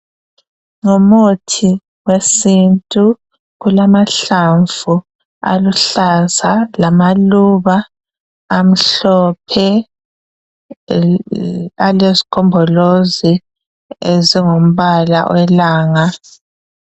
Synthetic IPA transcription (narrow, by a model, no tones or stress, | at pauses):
ŋomutʰi | wesintʼu | ɣulamaɬaɱvu | a̰luɬazalamaluβaː | m̩ɬɔpʰɛ | alezi̥kʰɔmbʱɔlozi | eziŋom̩βala̰wʔɛlaːŋa